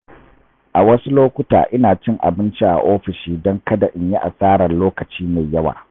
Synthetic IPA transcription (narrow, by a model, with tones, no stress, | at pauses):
ʔa˨wɐ˦su˦loː˦kʷʊ˦ta̰ː˨ʔɪ˦naː˨t͡ʃɪ˦ŋʔa̰˨bɪ˦nt͡ʃi˦ʔa̰˨ʔoː˦ɸɪ˨ʃiː˦dɔ˦ŋkɐ˦da˨ʔɪ˦ɲji˦ʔa̰˨saː˦ɽɐ˨nloː˦kɐ˨t͡ʃiː˦ma˨jɐ˦wa̰ː˨